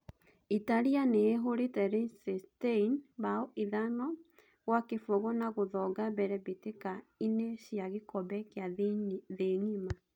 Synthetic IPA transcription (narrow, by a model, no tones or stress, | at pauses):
itaɾianeːɦoɾetɛɾesɛsteinbaɔʔiðanɔ | ɣwakefoɣɔnaɣoðɔɡabɛɾɛβetekaineɕjaɣekɔbɛkeaðeŋima